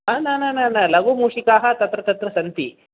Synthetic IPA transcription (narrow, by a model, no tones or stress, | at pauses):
anaːnanɐnɐlɐʋumuːʂikaːɦɐt̪ɐt̪ɾɐt̪ɐt̪ɾɐsɐnt̪ḭ